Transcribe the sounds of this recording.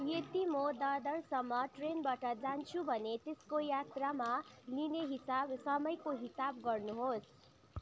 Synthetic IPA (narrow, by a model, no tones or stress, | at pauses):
jet̪imod̪ad̪ʌrsʌmːʌʈrenbaʈʌd͡zant͡sʰubʱʌnet̪eskojat̪ramalineɦisabsʌmʌjkoɦisabɡʌrnuɦos